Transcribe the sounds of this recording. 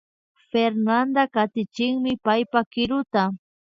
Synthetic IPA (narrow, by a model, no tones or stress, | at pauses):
feɾnand̪akat̪ɪt͡ʃɪŋmɪpajpakɪɾʊt̪a